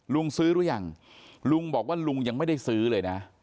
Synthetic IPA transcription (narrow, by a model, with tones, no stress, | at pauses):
lu˧əŋsɨ˦˥ɾu˧˥əja˨˩ŋ | lu˧ŋɓɔː˨˩k̚waː˥˩lu˧ŋja˧ŋma˥˩jɗa˧jsɯː˦˥lɤː˧jna˦˥